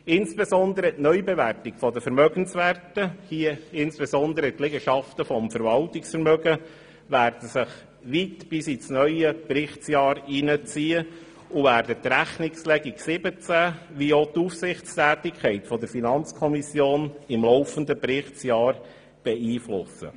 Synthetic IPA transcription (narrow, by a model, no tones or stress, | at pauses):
ɪnsb̥ezɔnd̪əɾətnœʏbeʋærtɪkfɔdəfəɾmœɡənsʋæːrtəhiəɪnsb̥esɔnd̪əɾətlɪɡəʃɑftəfɔmfəɾʋɑltɪksfəɾmœɡə | ʋæːrd̥əsɪχ | ʋitb̥ɪsisnœʏəpɾɪχsjɑːɾinət͡siːə | ʊvæːɾdətɾæχnɪkslɛɡiksɪbət͡sæʋiot̪ufsɪχt͡stæːtɪkʰɛɪtfɔd̪əɾfinɑnt͡skʰɔmisjoːnɪmlɔʊfənd̪əpɾɪχt͡sjɑːɾ | b̥ɛiːflʊsə̰